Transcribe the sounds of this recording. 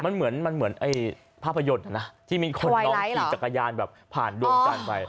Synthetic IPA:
ma˧nmɯ˩˦ənma˧nmɯ˩˦ənʔa˧˩j | pʰaː˥˩pʰːa˧jo˧˩t̪̚ʔa˨˩na˦˥t̪ʰiː˥˩miː˧kʰo˧na˧ɔ˧˦iː˧˩t͡ɕa˨˩kːa˧jaː˧nbɛː˨˩p̚pʰaː˨˩ndu˧əmka˧˩npa˧j

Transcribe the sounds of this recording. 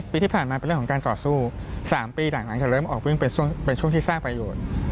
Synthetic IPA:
piː˧t̪ʰiː˥˩aː˨˩nmaː˧pe˧ɾə˨kʰːkaː˧nt̪ɔː˨˩suː˥˩saː˩˦mpiː˧naː˨˩˦ŋla˨˩˦ŋt͡ɕaː˨˩ɾɤː˥˩mʔɔː˨˩k̚wɯ˥˩ŋpe˧nt͡ɕʰu˥˩ŋpe˧nt͡ɕʰu˥˩əŋt̪iː˥˩saː˥˩ŋpɾa˧joː˨˩t̪̚

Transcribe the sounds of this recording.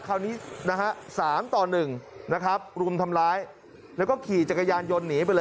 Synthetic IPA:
kʰaː˧˩wniː˦˥na˦˥kʰa˦˥ʔsaː˩˦mt̪ɔː˨˩nːɯ˨˩ŋna˦˥kʰɾa˦˥p̚ɾuː˧əmt̪ʰa˧mɾaː˦˥j | lɛ˦˥wkɔː˥˩kʰiː˨˩t͡ɕa˨˩kːa˧jaː˧njo˧nːiː˩˦p̬a˧jlɤː˧

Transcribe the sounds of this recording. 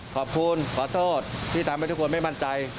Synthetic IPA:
kʰɔː˨˩p̚kʰu˧nkʰɔː˨˩˦t̪ʰoː˥˩t̪̚ʰːiː˥˩aː˨˦mha˥˩t̪ʰkʰːnma˥˩jma˥˩nt͡ɕa˧j

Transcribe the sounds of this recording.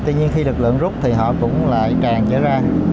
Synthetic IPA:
t̪wi˧ɲi˧ənxi˧lɨ˨˩k̚lɨ̰˧˨əŋzʊ˦˥k͡p̚t̪ʰi˨˩ɦɔ̰˧˨kʊ̰˧˥ŋ͡mla̰ː˧˨jt͡ɕaː˨˩ŋzə̰˧˥zaː˧

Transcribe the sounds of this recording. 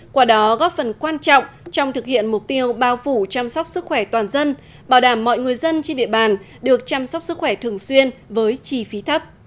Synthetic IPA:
kwaː˧˩ɗɔ˨˦ɣɔ˦˥p̚fə˨˩nkwaː˧nt͡ɕɔ̰˧˨wŋ͡mt͡ɕɔ˧wŋ͡mt̪ʰɨ˨˩k̚hḭ˧˨ənmʊ˨˩k͡p̚t̪i˧əwɓaː˧wfu˧˩t͡ɕaː˧msɔ˦˥wk͡p̚sɨ˦˥k̚xwɛ˧˩t̪waː˨˩nzə˧n | ɓaː˧˩wɗaː˧˩mːɔ̰˧˨jŋɨ˨˩əjzə˧nt͡ɕe˧nɗḭ˧˨əɓaː˨˩n | ɗɨ˨˩ək̚t͡ɕaː˧msɔ˦˥k͡p̚sɨ˦˥k̚xwɛ˧˩t̪ʰɨ˨˩əŋswi˧ənvəː˨˦jt͡ɕi˧˩fi˨˦t̪ʰə˦˥p̚

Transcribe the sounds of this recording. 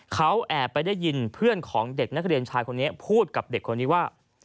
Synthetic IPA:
kʰa˦˥wʔɛː˨˩pa˧jda˥˩jːi˧npʰɯ˥˩ənkʰɔː˩˦ŋde˨˩k̚na˦˥k̚ɾi˧ənt͡ɕʰaː˧jkʰo˧nːi˦˥ɐpʰuː˥˩t̪̚ka˨˩p̚de˨˩kʰːo˧nːiː˦˥waː˥˩

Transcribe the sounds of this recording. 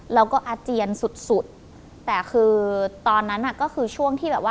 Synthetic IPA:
ɾa˧wkɔː˥˩ʔa˧t͡ɕi˧ənsu˨˩t̪̚su˨˩t̪̚ː | ɛː˨˩kʰɯː˧t̪ɔː˧nːa˦˥nʔa˨˩kɔː˥˩kʰɯː˧t͡ɕʰu˥˩əŋt̪ʰiː˥˩bɛː˨˩p̚waː˥˩

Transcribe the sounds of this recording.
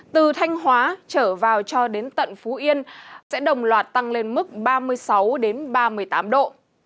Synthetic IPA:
t̪ɨ˨˩t̪ʰa˧jŋ̟ɦwaː˨˦t͡ɕəː˧˩vaː˨˩wt͡ɕɔ˧ɗe˨˦nt̪ə̰˧˨nfu˨˦ʔi˧ənsɛ̰˧˥ɗə˨˩wŋ͡mlwaː˨˩t̚t̪a˧ŋle˧nmɨ˦˥k̚ɓaː˧mɨ˧əjsa˨˦wɗe˨˦nɓaː˧mɨ˨˩əjt̪aː˨˦mɗo̰˧˨

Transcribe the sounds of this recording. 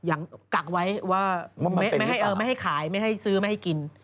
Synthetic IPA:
ja˨˩ŋka˨˩k̚wa˦˥jwaː˥˩ma˥˩m˥˩jɦa˥˩jʔɤː˧˦ma˥˩jɦa˥˩jkʰaː˩˦jma˥˩jɦa˥˩jsɯː˦˥ma˥˩jha˥˩jki˧n

